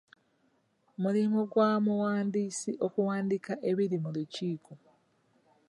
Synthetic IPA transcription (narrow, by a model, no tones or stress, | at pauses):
mulimuɡwamuwaːndiːsiʔo̞kuwaːndikaʔe̞βiɾimuluciːko̞